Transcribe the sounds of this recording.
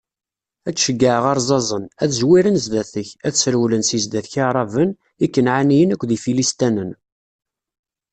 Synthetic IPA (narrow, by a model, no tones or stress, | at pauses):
æt͡sːʃəɡːaʕʁɑɾˤzˤɑzˤənæθʒwiɾənzd̪æθəçæθsəɾwlənsizd̪æθçiɾˤɑvən | ikːənʕanijənækʷːðifilist̪ænən